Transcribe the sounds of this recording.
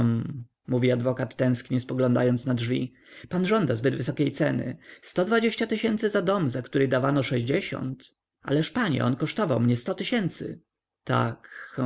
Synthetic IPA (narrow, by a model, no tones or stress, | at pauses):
m | muvʲiad̪vɔkat̪ːɛ̃skɲɛspɔɡlɔ̃nd̪a̰jɔnt̪snadʐvʲḭ | panʐɔnd̪azbɘd̪vɘsɔkʲejt̪sɛnɘ̰st̪ɔd̪vad͡ʑeɕt͡ɕat̪ɘɕɛnt̪sɘzad̪ɔmzakt̪uɾɘɣd̪avanɔʂɛʑd͡ʑeɕɔ̰nt̪ | a̰lɛʂpaɲɛ̰ʔɔ̰nkɔʂt̪ɔvawmɲɛst̪ɔt̪ɘɕɛnt̪sɘ̰ | t̪a̰k